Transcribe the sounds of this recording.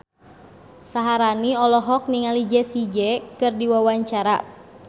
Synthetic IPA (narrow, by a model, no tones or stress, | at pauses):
saɦaɾaniɔlɔɦɔk̚niŋalid͡ʒɛsid͡ʒɛkɨrdiwawaɲt͡ʃaɾa̰